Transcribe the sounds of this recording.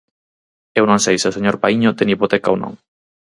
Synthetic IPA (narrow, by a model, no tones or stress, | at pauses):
ewnõŋsejsɪoseɲoɾpaiɲot̪eŋipot̪ɛkaownõ̰ŋ